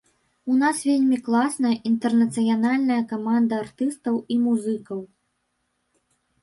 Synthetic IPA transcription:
unasvʲelʲmʲiklˠasnɐjɐʔint̪ɛrnɐt̪sɨjanalʲnɐjɐkamand̪ɐːrt̪ɨst̪ɐwimuzɨkɐw

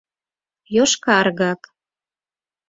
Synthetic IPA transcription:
joʃkɑrɣɑk

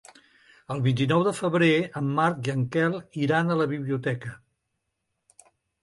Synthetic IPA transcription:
əlˠβint̪inɔwðəfəβɾeəmːaɾk̚ʒəŋkɛlˠiɾanələβiβliut̪ɛkə

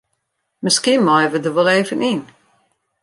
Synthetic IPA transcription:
məskimajvədəʋɔleːvənin

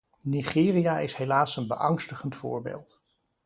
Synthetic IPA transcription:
niχɪːrijaɪsɦelaːsənbə̰ʔɑŋstəχəntfʊ̰ːɹbḛːlˠt

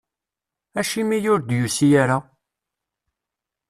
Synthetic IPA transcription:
æʃimijʊɾd̪jusijaɾa

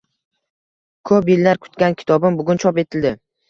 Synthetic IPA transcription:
kʰɵpjelːaɾkʰʊ̥t̪kʲankʲʰɪ̥t̪ʰɒbɪmbʊɡʲʊnt͡ʃʰɒpe̞t̪ʰɪld̪ɪ

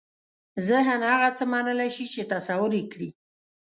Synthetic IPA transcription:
zəɦanhaɣat͡səmanəlaʃit͡ʃet̪asawʊɾekɽi

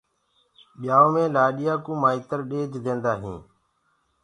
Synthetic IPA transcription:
ɓɪjaːoːmẽːlaːɗɪjaːkũːmaːiːt̪əɾɗeːd͡ʒd̪ẽːnd̪aːɦḭ̃ː

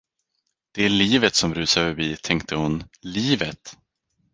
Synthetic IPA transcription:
d̪̥ɛæliːvət̪sɔmɾʉ̟ːsaɾfœɾbiːt̪ʰɛŋk̚t̪ʰəhʊnliːvət̪

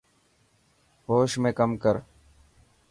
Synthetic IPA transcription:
ɦoːʃmẽːkəmkəɾ

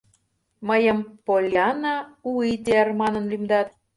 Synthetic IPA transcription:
məjəmpolʲɑnɑuit̪eærmɑnə̆nlymd̪ɑt̪̚

